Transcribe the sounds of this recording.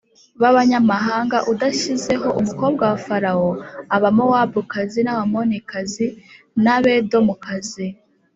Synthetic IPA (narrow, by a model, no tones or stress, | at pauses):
βaβaɲamaɦaːŋɡaʔudaʃize̞ɦo̞ʔumuko̞b̚ɡawafaɾaoaβamowabukazinaβamo̞nikazi | naβe̞do̞mukazi